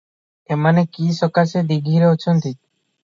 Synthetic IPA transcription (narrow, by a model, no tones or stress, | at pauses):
emanekiʃɔkased̪iɡʱiɾeot͡ʃʰont̪i